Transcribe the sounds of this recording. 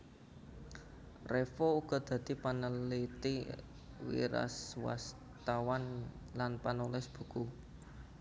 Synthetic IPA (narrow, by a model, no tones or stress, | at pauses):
refouɡ̥ɔ̤d̪̥ä̤d̪̥i̤panəlit̪i | wḭɾa̰swa̰s | t̪awan | lanpanulɪsb̥ṳku